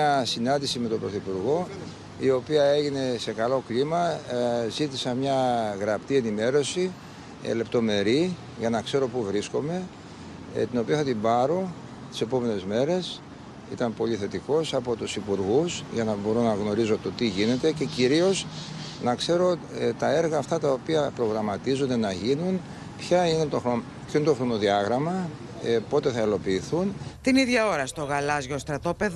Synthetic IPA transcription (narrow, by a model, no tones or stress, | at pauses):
ɐsinɐnd̪isime̞t̪o̞bɾo̞θipuɾɣo̞ | io̞piɐe̞ʝine̞se̞kɐlo̞klimɐzit̪isɐnmɲɐɣɾɐpt̪ie̞nime̞ɾo̞sḭ | le̞pt̪o̞me̞ɾi | ʝɐnɐkse̞ɾo̞puvɾisko̞me̞ | t̪ino̞piɐθɐt̪imbɐɾo̞ | t̪i̥se̞po̞me̞ne̞zme̞ɾe̞s | ḭt̪ɐmpo̞ʎiθe̞t̪iko̞sɐpo̞t̪usipuɾɣusʝɐnɐbo̞ɾo̞nɐɣno̞ɾizo̞t̪o̞t̪iʝine̞t̪e̞ce̞ciɾio̞znɐkse̞ɾo̞t̪ɐe̞ɾɣɐːft̪ɐt̪ɐopiɐpɾo̞ɣɾɐmɐt̪izo̞nd̪e̞nɐʝinun | pçɐinet̪oxɾo | pçoinet̪oxɾo̞no̞ðiɐɣɾɐmɐ | po̞t̪e̞θɐilo̞piːθunt̪iniðʝɐoɾɐst̪oɣɐlɐzʝo̞st̪ɾɐt̪o̞peð